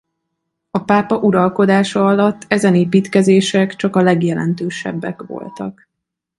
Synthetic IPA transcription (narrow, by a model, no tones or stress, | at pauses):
ɒpaːpɒʔuɾɒlko̞d̪aːʃɒɒlɒt̪ːɛzɛneːpiːt̪kɛzeːʃɛkt͡ʃɒkɒlɛɡjɛlɛ̰nt̪øːʃɛ̰bːɛ̰kʋo̞̰lt̪ɒ̰k